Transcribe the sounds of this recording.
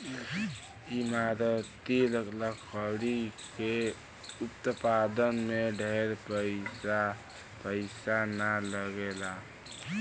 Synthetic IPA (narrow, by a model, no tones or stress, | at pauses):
imaɾət̪iləɡləkʰəwɽike | upt̪əpad̪ənmeɖʱeɾpəɪa | pəɪsanaləɡela